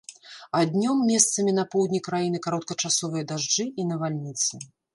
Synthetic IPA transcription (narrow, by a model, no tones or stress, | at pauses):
ad̪ʲnʲɔmːʲɛst̪sɐmʲinɐpɔwd̪ʲnʲikɾajin̪ɨkaɾɔt̪̚kɐt͡ʂasɔvɨjɐd̪aʐd͡ʐɨinɐvalʲnʲit̪sɨ